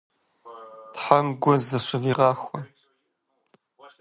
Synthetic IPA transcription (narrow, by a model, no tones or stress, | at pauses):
tħamɡʷɔzɐɕɪviːʁɑːxʷɔ